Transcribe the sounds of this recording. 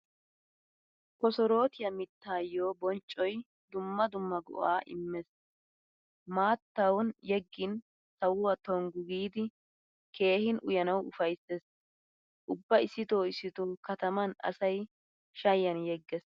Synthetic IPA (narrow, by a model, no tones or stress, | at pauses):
kɔsɔɾo̞ːt̪ɪjɐmɪt̪ːaːjoːbɔnt͡ʃʼːɔj | d̪ʊmːɐd̪ʊmːɐɡɔ̰ʔaːʔɪ̰mːɛs | maːt̪ːɐwɔnjɛɡːɪn | sɐwʊwɐt̪ɔŋɡʊɡiːd̪ɪ | ke̞ːhɪnʔʊ̰jɐnɐwʊfɐjsːes | ʔʊbːɐɪsːɪt̪oːɪsːɪt̪oːkɐt̪ɐmɐnɐ̰sɐj | ʃɐjːɐnjɛɡːɛs